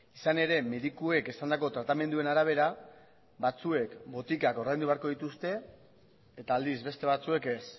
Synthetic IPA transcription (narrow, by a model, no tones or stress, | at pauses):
isane̞ɾe̞me̞ðikue̞kesand̪ako̞t̪ɾat̪ame̞nd̪ue̞naɾaβ̞e̞ɾa | βat͡sue̞kbo̞t̪ikako̞rajnd̪uβeaɾko̞ðit̪ust̪e̞ː | t̪aːld̪izβe̞st̪e̞β̞at͡sue̞ke̞s